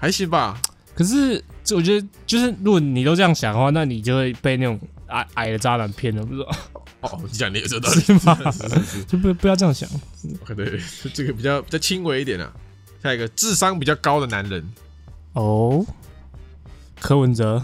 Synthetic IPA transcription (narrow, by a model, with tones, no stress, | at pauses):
xa˧˥ɪɕi˧˥ba˨ | kʰə˨˩ʂ̬ɻ̩˥˩˥wɔ˨˩ɥɛ˧˥d̪ə˧t͡ɕjo˥˧ʊʂ̬ɻ̩˥˩ɻu˧˥ɡɔ˨˩ni˨t̪o˥ʊʈ͡ʂɤ˧jɑ˥˩ŋɕjɑ˨˩ŋd̪ə˦xwa˥˧na˥˩ni˨˩t͡ɕjo˥˧ʊxwe˥˧ɪpe˥˧ɪna˥˩ʈ͡ʂʊ˨˩ŋa̰˨˩ɪʔa˨˩ɪdə˩t͡sa˥na˨˧˥npʰjɛ˥˨nə˩u˧˩t͡s̪o˥˩˥ | ɔ˧ni˧˩t͡ɕja˨˩ŋni˨˥jo˥˧t̪ɑ˥˧˥ma˧o˥˧˥p̬u˧˩˥pu˧jɑ˥˧ʊʈ͡ʂɤ˥˧jɑ˥˩ŋɕjɑ̰˨˩˦ŋ˥˩kt̪we˥˩˥ʈ͡ʂə˥˩ɡə˨˩pi˨˩t͡ɕɑ˥˩ʊpi˨t͡ɕɑ˥˩ʊt͡ɕʰi˦ŋwe˧˥ɪi˥t̪jɛ˨˩nɐ̰˩ | ɕja˥˩i˧˥ɡə˧t͡sɹ̩˥˨sɑ˦ŋpi˨˩t͡ɕjɑ˥˩kɑ˥ʊd̪ə˨na˧˦nɻə˨˦n | o˥˩ | kʰə˥wə˧˦nt͡sə˧˦